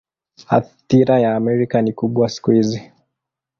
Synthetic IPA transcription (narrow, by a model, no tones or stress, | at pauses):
ha̰tiɾajaːmɛɾikanikuɓwasi̥kuhizi